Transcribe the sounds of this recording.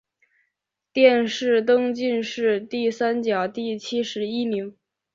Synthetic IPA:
t̪jɛ˥˧nʂɻ̩˥˩t̪ɤ˥ŋt͡ɕi˥˧nʂɻ̩˥˧t̪i˥˩sa˥nt͡ɕjɑ˨˩ʊt̪i˥˩t͡ɕʰi˥ʂɻ̩˧˥i˥mi˧˥ŋ

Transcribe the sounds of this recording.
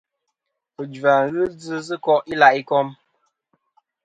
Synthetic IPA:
pə˨d͡ʒva˨ɣɨ˦d͡zɨ˦zɨ˦kɔ˦ʔi˦la˨ʔi˦kɔ˦m

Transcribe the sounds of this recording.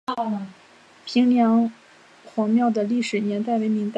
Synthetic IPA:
pʰi˧˥ŋljɑ˧˥ŋ | xwɑ˧˥ŋmjɑ˥˩ʊd̪ə˩li˥˩ʂɻ̩˨˩njɛ˧˥nt̪a˥˩ɪwe˧˥ɪmi˧˥ŋt̪a˥˧˩

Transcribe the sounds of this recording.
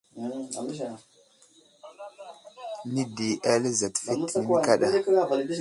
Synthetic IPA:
ni˦di˨ʔa˦le˦za˨tfi˦i˨nka˦ɗa˦˨˦

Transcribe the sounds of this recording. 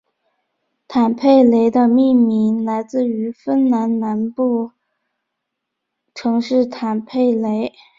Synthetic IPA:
t̪ʰa˨˩npʰe˥˩ɪle˧˥ɪd̪ə˧mi˥˩mi˧˥ŋla˧˥ɪt͡sɹ̩˥˩y˧˥fə˥nna˧˥nna˧˥npu˥˩ | ʈ͡ʂʰɤ˧˥ŋʂɻ̩˥˩t̪ʰa˨˩npʰe˥˩ɪle˧˥ɪ

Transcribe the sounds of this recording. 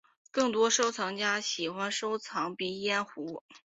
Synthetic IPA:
kɤ˥˩ŋt̪wɔ˥ʂo˥ʊt͡sʰɑ˧˥ŋt͡ɕja˥ɕi˨˩xwa˥nʂo˥ʊt͡sʰɑ˧˥ŋpi˧˥jɛ˥˩nxu˧˥

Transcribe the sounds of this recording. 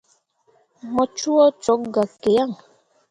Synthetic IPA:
mɔ˨t͡ʃu˦ɔ˦t͡sɔ˨˦k̚ɡa˨ke˨ja˦˨ŋ

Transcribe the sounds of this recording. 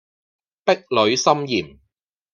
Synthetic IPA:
pɪ˥k̚lɵ˨˧ɥsɐ˥mjiː˨˩m

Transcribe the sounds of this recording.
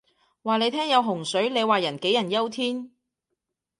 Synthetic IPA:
waː˨ne˨˧jt̪ʰɛː˥ŋjɐ˨˧wɦʊ˨˩ŋsɵ˨˥ɥle˨˧jwaː˨˩jɐ˨˩nke˨˥jɐ˨˩njɐ˥wt̪ʰiː˥n

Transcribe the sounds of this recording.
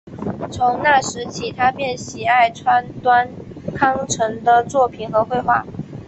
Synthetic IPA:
t͡sʰʊ˧˥ŋna˥˩ʂɻ̩˧˥t͡ɕʰi˧˥t̪ʰa˥pjɛ˥˩nɕi˨˧˩a˥˩ɪʈ͡ʂʰwa˥nt̪wa˥nkʰɑ˥ŋʈ͡ʂʰɤ˧˥ŋd̪ə˧t͡swɔ˥˩pʰi˨˩nxɤ˧˥xwe˥˧ɪxwa˥˩

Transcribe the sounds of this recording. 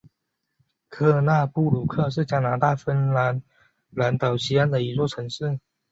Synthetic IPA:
kʰɤ˥˧na˥˧pu˥˩lu˨˩kʰɤ˥˧ʂ̬ɻ̩˥˩t͡ɕja˥na˧˥t̪a˥˩fə˥nla˧˦n | la˧˥nt̪ɑ˨˩ʊɕi˥a˥nd̪ə˨i˧˥t͡swɔ˥˩ʈ͡ʂʰɤ˧˥ŋʂɻ̩˥˩

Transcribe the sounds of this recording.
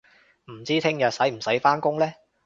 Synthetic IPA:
m̩˨˩t͡siː˥t̪ʰɪ˥ŋjɐ˨t̚sɐ˨˥jm̩˨˩sɐ˨˥jfaː˥nkʊ˥ŋlɛː˥

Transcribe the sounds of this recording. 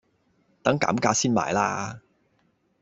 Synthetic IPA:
t̪ɐ˨˥ŋka̰ː˨˥mkaː˧˥siː˥nma̰ː˨˩jlaː˥

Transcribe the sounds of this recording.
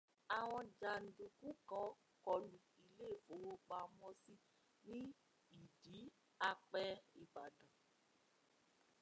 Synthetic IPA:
a˨w̃ɔ̃˧d͡ʒa˨n̩˨du˨ku˦kɔ˨˦ | kɔ˧lu˨i˨le˦˨fo˨wo˦k͡pa˧mɔ̃˧si˦ | nĩ˦ | i˨di˨˦ | a˧k͡pɛ˦i˨ba˨dɔ̃˨

